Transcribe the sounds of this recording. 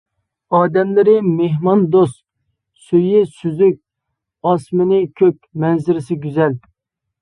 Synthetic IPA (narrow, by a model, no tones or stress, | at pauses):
ɑːd̪ɛmlɪɾɪmeɦmɑnd̪ost̪ | søjɪsyzyk̚ʲ | ɑsmɪnɪkʲʰøkʲmɛnzɪɾɪsɪɡʲyzɛl